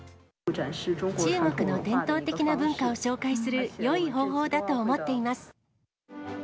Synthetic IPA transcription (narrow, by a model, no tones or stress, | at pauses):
ʈ͡ʂa̰nʂɻ̩ʈ͡ʂt͡ɕɨːŋo̞kɯ̟no̞d̪ẽ̞nt̪o̞ːt̪e̞kʲinabɯ̟̃ŋkaoɕo̞ːkaisɨɾɯ̟jo̞iɦo̞ːɦo̞ːd̪at̪o̞ːmo̞t̪ːe̞imasɨ̥